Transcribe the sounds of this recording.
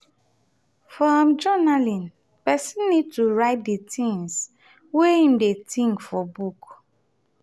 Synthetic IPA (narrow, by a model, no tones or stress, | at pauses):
fɹɔ̃md͡ʒɔnalĩn | pɛsĩnːid̚tuɹaɪt̚detʰĩŋs | weĩn̩detĩŋkfɔbuk